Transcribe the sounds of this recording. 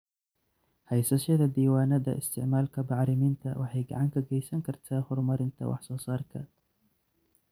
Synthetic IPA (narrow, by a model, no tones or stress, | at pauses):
hɑjsɐʃɐðɐd̪iːwaːnɐðɐ̰ʔɪ̰st̪ʰɪ̰ʕmaːlkʰɐbɑʕɾɪmɪnt̪ʰɐwɑħɑjɡɐ̰ʕɑŋkʰɐɡɛjsɐŋkʰɐrt̪ʰaːhʊrmɐɾɪnt̪ʰɐ̰wʔɑ̰ħsɔːsɑːrkʰɐ̰